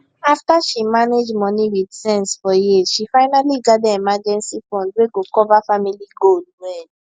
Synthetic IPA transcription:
aftaʃimaned͡ʒmɔ̃niwidsɛ̃nsfɔjisʃifaɪnaliɡadɛɛmad͡ʒɛ̃nsifɔ̃nd̚weɡokɔvafamiliɡodwɛ

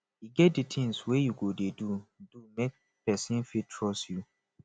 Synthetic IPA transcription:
jiɡɛt̚ditʰɪ̃ŋswejuɡodedudumɛk̚ | pʰɛsɪ̃nfitʰɹɔsju

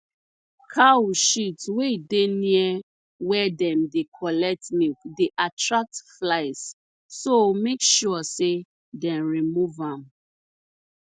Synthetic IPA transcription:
kʰawʃitweideniɛ | wɛdɛ̃mdekʰɔlɛk̚tnikdeʔatɹak̚tflaɪs | somekʃuɔse | dɛ̃nɹimuvãm

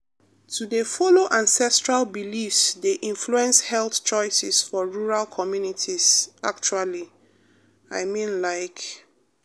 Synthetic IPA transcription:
tʰudefɔloʔãnsɛstɹalbilifsdeʔĩnfluɛ̃nshɛlθt͡ʃɔɪsisfɔɹuɹalkʰɔmjunitʰizak̚t͡ʃuali | aɪmĩnlaɪk

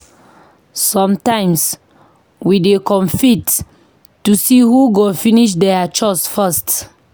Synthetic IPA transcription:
sɔ̃mtãɪ̃ms | widekɔ̃mfitː | usihuɡofiniʃ̬dɛat͡ʃɔsfɛst

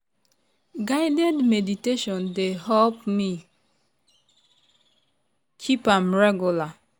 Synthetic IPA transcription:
ɡaɪdɛdmediteʃɔ̃ndeɦɛlpmi | kʰipãmɹɛɡjula

